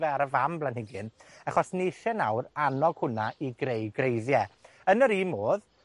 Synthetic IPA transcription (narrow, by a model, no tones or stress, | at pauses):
vɛaɾəvamblˠanhɪɡɨnaχɔsneɬɛnawranɔɡ̥hʊnaʔiɡɾejɡrejðjɛ | ənəɾiːmoːð